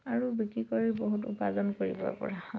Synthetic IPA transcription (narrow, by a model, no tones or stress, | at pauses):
aɹubikɹikɔɹɛboɦutṵpazɔnkoɹḭbɔ̰pɔ̰ɹa